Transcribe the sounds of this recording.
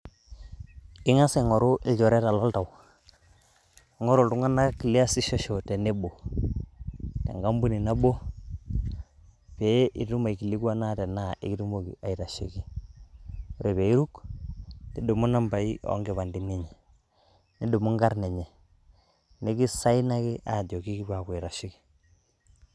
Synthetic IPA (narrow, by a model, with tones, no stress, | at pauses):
ɪ˦ŋa˦sɛ˨ŋɔ˨ɾo˦ʔɪ˨lɟɔ˨ɾɛ˦ta˨lɔ˦lta˨w | ŋɔ˦ɾo˨tu˦ŋa˦na˦ki˨li˦a˦sɪ˦ʃɔ˦ʃɔ˨tɛ˨ne˦bo˨ | tɛ̰˨ŋɡa˦mbu˦ni˨na˦bo˦ | pe˨˦i˨tu˦ma˨i˨ki˨li˦kwa˦na˦tɛ˨na˦ʔḭ˦ki˦tu˦mo˦kḭ˨a˨i˨ɾa˨ʃḛ˨ki˦ | ɾe˨βe˨i˦ɾu˦k | ni˦do˨mu˦na˦mba˨i˦ʔɔ̰˨˦ŋɡe˨βa˨ndi˨ne˦ɲɛ˨ | ni˦do˨mu˦ŋɡa˦ɾnɛ˨ɲɛ˨ | ne˦ki˦sa˦i˦na˦ki˦ʔa˨dɔ˨ki˦ki˦pa˨kwi˨ɾa˨ʃi˦ki̥˦